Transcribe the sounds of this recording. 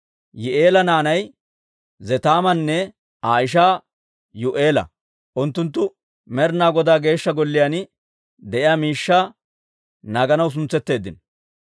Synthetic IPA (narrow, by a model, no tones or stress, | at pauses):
jɪʔe̞ːlɐnaːnɐj | zɛt̪aːmɐnːɛ | aːɪʃ̬aː | jʊʔe̞ːlɐ̰ | ʔʊnt̪ːʊnt̪̬ːʊ | mɛɾnaːɡɔd̪aːɡe̞ːʃːɐɡɔlːɪjan | d̪ɛʔɪjaːmiːʃːaː | nɐɡɐnɐws̬ʊnt͡sːɛt̪ːe̞ːd̪ːɪ̰n